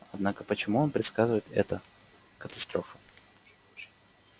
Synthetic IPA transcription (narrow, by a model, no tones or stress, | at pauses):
ɐd̪nakəpət͡ɕɪmuo̞npɾʲɪt̪skazɨvəjɪt̪ɛ̰t̪ə | kət̪ɐst̪ɾofə̥